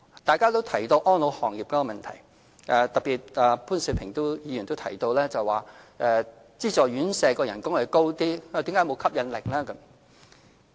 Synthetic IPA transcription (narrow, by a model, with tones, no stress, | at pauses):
t̪aː˨jkaː˥t̪o˥wt̪ʰɐ˨˩jt̪o˧wʔɔː˥nlo˨˧whɔː˨˩ŋjiː˨p̚kɔː˧˥ɔ˧mɐ˨nt̪ʰɐ˨˩j | ʔɛː˨˧t̪ɐ˨k̚piː˨t̚aː˨pʰuː˥nsi˧˥pʰɪ˨˩ŋt̪o˥wjiː˨˧jnt̪o˥wt̪ʰɐ˨˩jt̪o˧wlɛː˥t͡sɐ˨˩jwaː˨ʔɛ˧ | t͡siː˥t͡ʃɔː˨˩ɥyː˨˥nsɛː˧kɔː˧jɐ˨˩nkʊ˥ŋhɐ˨˩ko˥wt̪iː˥˨˩i˨˥mkaː˨˥jmo˨˧wkʰɐ˥p̚jɐ˨˧nlɪ˨k̚laː˥kɐ˨˦˥m